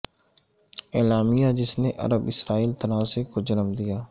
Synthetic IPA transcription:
ɛːlaːmijaːd͡ʒɪsneʔɐ̰ɾəbɪsɾaːiːlt̪ənaːsekod͡ʒənəmd̪ijaː

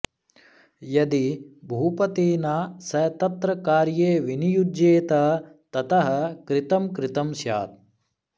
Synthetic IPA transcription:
jɐd̪ibʱɐupɐt̪iːnaːsɐjt̪ɐt̪ɾɐkaːɾjeːʋinijud͡ʒeːt̪ɐt̪ɐt̪ɐɦɐ̆kɾɪt̪ɐmkɾɪt̪ɐmʃja̰ːt̪̚

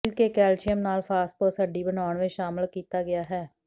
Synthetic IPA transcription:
lkekɛːlt͡ʃɪjəmnaːlfʰaːst̪̚posəɖiːbənaːɳʋẽʃaːmɪlkiːt̪aːɡɪjaːɦɛː

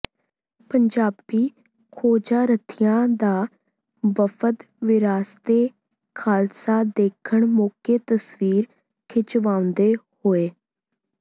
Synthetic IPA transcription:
pəɲd͡ʒaːbiː | kʰoːd͡ʒaːɾət̪ʰijãːd̪aː | bəpʰət̪ | ʋɪɾaːst̪eː | kʰaːlsaːd̪eːkʰəɳmoːkeːt̪əsʋiːɾ | kʰɪt͡ʃʋãːʊ̃nd̪eːhoːeː

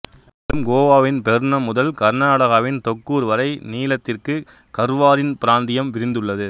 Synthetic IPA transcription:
ɾɯmɡoːʋaːʋɪnpɛɾɯnɐmʊðɐlkɐɾnaːɽɐɣaʋɪnt̪ɔkːuːɾʋɐɾɐɪniːlɐt̪ːɪrkɯ | kɐɾɯʋaːɾɪnpɪɾaːnd̪ɪjɐmʋɪɾɪnd̪ɯɭːɐðɯ

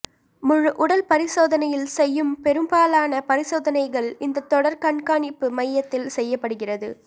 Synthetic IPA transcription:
mʊɻɯʔʊɽɐlpɐɾɪsoːðɐnɐjɪlsɛjːɯmpɛɾɯmbaːlaːnɐpɐɾɪsoːðɐnɐɪɣɐɭɪnd̪ɐt̪ːɔɽɐɾkɐɳkaːɳɪpːɯmɐɪjːɐt̪ːɪlsɛjːɐpːɐɽɯɣɪrɐðɯ̰

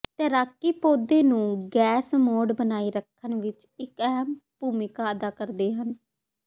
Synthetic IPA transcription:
t̪əɾaːkːiːpoːd̪eːnũːɡɛːsmoːɖbənaːiːɾəkʰːənʋɪt͡ʃ | ɪkɛɦəmpuːmɪkaːəd̪aːkəɾd̪eːɦən

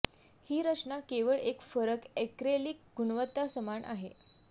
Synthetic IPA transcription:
hiːɾət͡ɕɳakeʋəɭekfəɾəkekɾelik̚ɡunʋət̪ːasəmaɳʔa̰ɦe

